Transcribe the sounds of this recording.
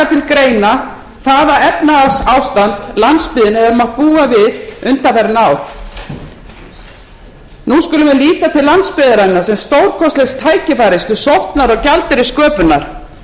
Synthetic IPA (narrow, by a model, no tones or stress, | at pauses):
at̪ʰɪlkɾeːjna | θavaɾɛpnaasaːwst̪ant̪lant̪spɪːðɪnhɛvʏɾmaht̪̚puːavɪðʏnt̪afɛɾnaːwɾ̥ | nuskʏlʏmɛliːt̪at̪ʰɪlːant̪spɪðaɾanːaɾ̥sɛmst̪owɾ̥kʰɔst̪lɛxst̪ʰaːjcɪfajɾɪst̪ʏsowht̪naɾɔɣcalt̪ɪɾɪskœːpʏnːa̰ɾ̥